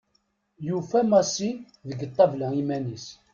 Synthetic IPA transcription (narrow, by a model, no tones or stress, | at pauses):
jufæmɑsi | ðəɡət̪ˤːɑvlæimænis